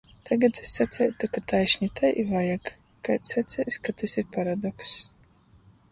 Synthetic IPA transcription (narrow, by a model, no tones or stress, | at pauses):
t̪ʰaɡat̪esːat̪sʲɛjt̪ukat̪ajʃʲɲʲit̪ajʔivajak | kajt̪sat̪sʲɛjskat̪ɨsiɾpaɾad̪ɔks